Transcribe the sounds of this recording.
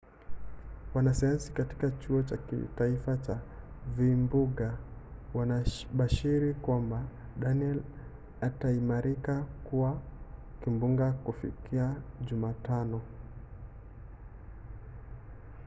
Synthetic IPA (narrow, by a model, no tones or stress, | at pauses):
wanasajansikati̥kat͡ʃuɔt͡ʃakḭtaifat͡ʃa | vimbuɠawanaɓaʃiɾikwamba | ɗaniɛl | ataimaɾikakuwakimbuŋɡakufḭkiaʄumaːtanɔ